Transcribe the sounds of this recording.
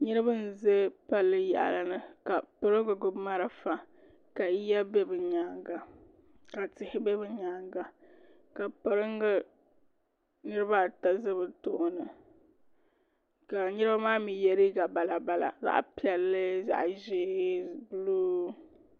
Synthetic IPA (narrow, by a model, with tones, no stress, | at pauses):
ɲɨ˦ɾɨ˦bɨ˦n̩˨ze˦pa˦lːɨ˦ja̰˨ʔla˨nɨ˨ka˨pɨ˦ɾɨ˦ŋɡɨ˨ɡʊ˦bma˦ɾa˦fa˦ | ka˨˦ja˦bɛ˦bɨ˨ɲaː˨ŋɡa˨ | ka˨tɪ˨hɪ˦bɛ˦bɨ˨ɲaː˨ŋɡa˨ | ka˨pɨ˨ɾɨ˦ŋɡɨ˦ | nɨ˦ɾɨ˦ba˦ta˦zɨ˦bɨ˨tʊ˨ʔnɨ˨ | ka˨nɨ˦ɾɨ˦ba˦maː˦mi˨jɛ˦ɾi˦ɡa˨ba˨la˨ba˨la̰˨za̰˦ʔpi˨ɛ˨lːɨ˦za̰˨ʔʒeː˦bɨ˦loː˦